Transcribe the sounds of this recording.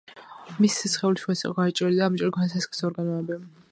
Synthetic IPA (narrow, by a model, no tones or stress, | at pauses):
misi̥sisχɛuliʃɛsḭqʼɔɡaɛt͡ʃʼɾɛlid̪aːmt͡ʃʼɛliɡʰwɔnɛsʰɛskʰʼi̥sɔɾɡanɔɛbi